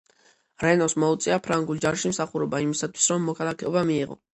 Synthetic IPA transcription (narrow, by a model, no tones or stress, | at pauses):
ɾɛnɔsmɔut̪sʼiapʰɾaŋɡulˠd͡ʒaɾʃimsaχuɾɔbaimisat̪ʰwi̥sɾɔmːɔkʰalˠakʰɛɔbamiːʁɔ̰